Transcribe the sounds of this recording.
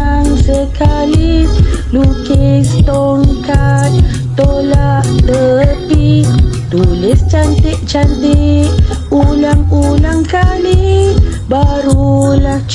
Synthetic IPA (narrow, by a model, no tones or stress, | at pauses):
ŋsəkalilukist̪oŋkat̪̚ | t̪olaʔdəpit̪ulist͡ʃant̪iʔt͡ʃant̪i | ulaŋulaŋkalibaɾulaht͡ʃ